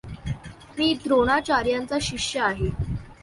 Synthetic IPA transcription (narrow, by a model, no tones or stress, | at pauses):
miːd̪ɾoɽ̃at͡ɕaɾjant͡saɕikɕjəaɦe